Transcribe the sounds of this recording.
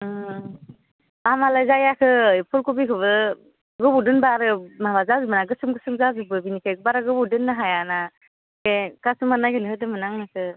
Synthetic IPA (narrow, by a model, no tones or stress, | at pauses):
amalajzajakʰɯpʰulkubikʰɯβɯ | ɡɯbudɯnbaɾɯmabazazubɯnaɡɯsɯmɡɯsɯmzazubɯbinikʰabaɾaɡɯbudɯnːaɦajana | kekasɯmanːajɡɯnɯɦɯdɯmɯnaŋnakʰɯ